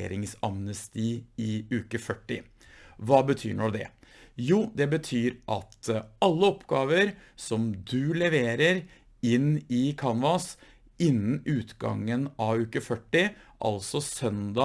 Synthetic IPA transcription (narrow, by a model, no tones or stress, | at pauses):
ḛːɾɪŋsɑmnəst̪iːɪʉːkəfœʈːɪ | ʋɑːbət̪ʰy̰ːɳɔd̪ɛ̰ | juːd̪ɛbət̪ʰyːɾʔɑt̪ɑlːəɔpɡɑːʋəɾsɔmd̪ʉlɛʋeːɾəɾ | ɪnːɪkʰɑnʋɑs | ʔɪnːənʉːt̪ɡɑ̰ŋːənɑʋʉːkəfœʈːɪʔɑ̰lsɔsœnd̪ɑ